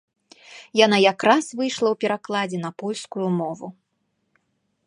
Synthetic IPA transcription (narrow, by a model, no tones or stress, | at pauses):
janajakɾasvɨjʂlˠɐwpʲɛɾaklˠad͡zʲɛn̪ɐpɔlʲskujumɔvṵ